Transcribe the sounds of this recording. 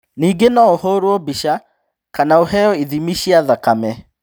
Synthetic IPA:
niːɡenɔohoɾwɔbiʃa | kanaoɦɛjɔiðimiʃiaðakamɛ

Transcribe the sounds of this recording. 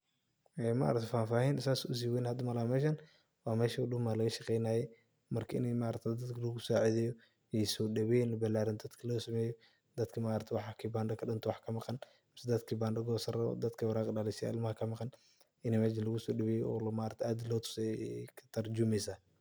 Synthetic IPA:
ɛma̰ʔɾɐt̪ʰɛfaːfaːhinɪsaːsʊs̬iːwɛnhɐd̪ɐmɐlamɛːʃɐn | waːmɛːʃɐɗʊmalɐɣɐʃɐqɛjnajɛ | mɐrkʰɐɪ̰nɛmaːɾɐt̪ʰɛd̪ɐd̪kʰɐlɐɣʊsɔːʕɪðɛjɔ | ɛsɔːɗɐβɛnlɐbɐlaːɾɪnd̪ɐd̪kʰɐlɐsɐmɛːjɔ | d̪ɐd̪kʰɐmaːɾɐt̪ʰɛwɑħɑkʰibaːndɐkʰɐɗɪnt̪ʰɔwɑħkʰɐmɑqɑn | mɪsɛd̪ɐd̪kʰibaːndɐɡɔːsɐrɐ̰d̪ɐd̪kʰɐwɐɾaːqɪɗaːlɪʃɐ̰ʔɪlmɐhɐkʰɐmɑqɑn | ɪnɛmɛːʃ̬ɪnlɐɣʊsɔːɗɐβɛːjɔ̰lmaːɾɐt̪ʰɛaːd̪ɪlɔːt̪ʰʊ̥sɛkʰɐ̥t̪ʰɐrd͡ʒʊmɛsaː

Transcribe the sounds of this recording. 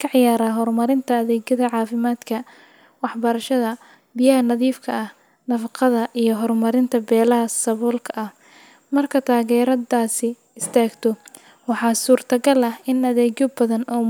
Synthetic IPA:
kʰɐʕɪjaːɾaːɦɔrmɐɾɪnt̪ʰɐːðɛːɡɐðɐʕɑːfɪmaːd̪kʰɐ | wɑħbɐɾɐʃɐðɐ | bɪjɐɦɐnɐðiːfkʰɐɐh | nɐfɑqɑðɐʔijɞɦɔrmɐɾɪnt̪ʰɐbɛːlɐɦɐsɐβɔːlkʰɐɐh | mɐrkʰɐt̪ʰaːɣɛːɾɐdaːsɪ | ɪst̪ʰaːɡt̪ʰɔ | wɑħɑːsuːrt̪ʰɐɡɐlɐhɪnɐðɛːɡjɔbɐðɐnɔː

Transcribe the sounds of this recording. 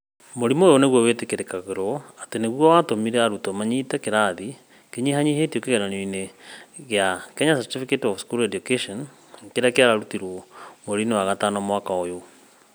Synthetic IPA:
moɾimoːjoneɣwɔwetekeɾekaɣeɾɔateneɣwɔwatomiɾɛaɾutɔmaɲitɛkeɾaði | keɲiɦaɲihetiokeɣɛnaneineɣeakɛɲasatifiketɔfskulɛdjokeʃɔn | keɾeakeaɾaɾutiɾwɔmoɾinewaɣatanɔmwakaojo

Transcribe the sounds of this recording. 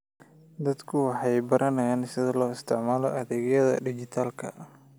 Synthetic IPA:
d̪ɐd̪kʰʊwɑħɑjbɐɾʔɐnɐjansɪðɐlɔːɪst̪ʰɪʕmaːlɔʔɐðɛːɣjɐðɐ̰ɖid͡ʒɪt̪ʰaːlkʰɐ̰

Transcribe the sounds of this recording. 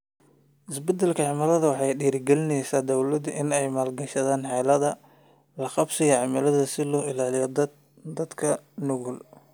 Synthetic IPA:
ʔɪsbɛd̪ɛlkʰɐʕɑmɐlɐðɐwɑħɑjɗiːɾɡɛlɪnɛjsaːd̪ɐwlɐd̪ʔɪnɛjmaːlɡɐʃɐðaːnħɑlɐðɐ | lɐqɑbsɪɣɐʕɑmɐlɐðɐsɪlɔːɪlaːlɪjɔ | d̪ɐd̪kʰɐnʊɣʊl

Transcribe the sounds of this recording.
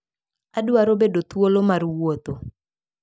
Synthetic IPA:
aduaɾobedot̪wolomarwot̪o

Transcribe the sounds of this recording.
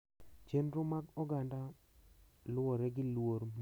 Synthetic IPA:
t͡ʃenɾʊmaɡɔɡanda | lʊoɾɛɡɪlwoɾm

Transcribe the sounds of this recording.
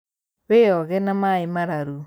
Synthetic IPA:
βeɔɣɛnamaemaɾaɾu

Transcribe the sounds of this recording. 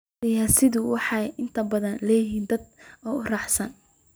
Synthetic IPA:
ɪjaːsɪðʊwɑħɑjʔɪnt̪ʰɐbɐðɐnlɛːjɪɦiːnd̪ɐd̪ɔːʊrɑħsɐn

